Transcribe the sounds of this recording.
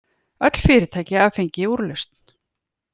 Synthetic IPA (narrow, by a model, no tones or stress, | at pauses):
œt̪l̥fɪːɾɪt̪ʰajcɪaːfejɲcɪuɾlœst̪n̥